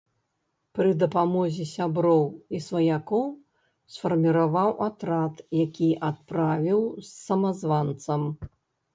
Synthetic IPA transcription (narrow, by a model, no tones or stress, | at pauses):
pɾɨd̪ɐpamɔzʲisʲabɾɔwisvɐjakɔw | sfɐrmʲiɾavawʔat̪ɾat̪jakʲiʔat̪̚pɾavʲiwsːɐmazvant̪sɐm